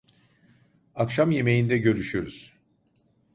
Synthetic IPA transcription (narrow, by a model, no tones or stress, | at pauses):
akʃamje̞me̞jind̪ɛɟø̞ɾyʃyjoɾuz̥